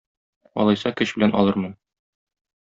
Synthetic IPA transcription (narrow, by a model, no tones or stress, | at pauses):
ɒ̰lˠɑjsɑkɵɕbɘ̆lænʔɒ̰lˠɤɾmɤn